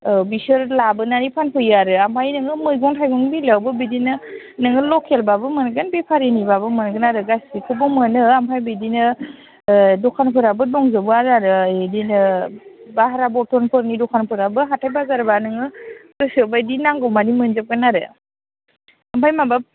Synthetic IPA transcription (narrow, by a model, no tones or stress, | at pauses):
bisɯɾlabɯnanipʰanpʰɯjaɾɯampʰajnɯŋɯmɯjɡɔŋtʰajɡɔŋbilawbɯbidinɯ | nɯŋɯlɔkʰelbabɯmɯnɡɯnbepʰaɾinibabɯmɯnɡɯnaɾɯɡasikʰɯbɔmɯnɯampʰajbidinɯ | dɔkʰanpʰɯɾabɯdɔŋzɯbɯaɾaɾɯedinɯ | baɦaɾabɔtʰɔnpʰɯɾnidɔkʰanpʰɯɾabɯɦatʰajbazaɾbanɯŋɯkɯsɯbajdinaŋɡɔwmanimɯnzɯp̚ɡɯnaɾɯ̰ | ampʰajmabap̚